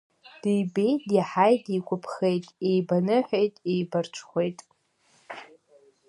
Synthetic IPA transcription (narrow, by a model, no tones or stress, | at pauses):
d̥ijbejdiħajdikʷʰʊpʰχejtʼejbanɨħʷᶣejtʼejbart͡ʃʷʰχʷe̞jtʼ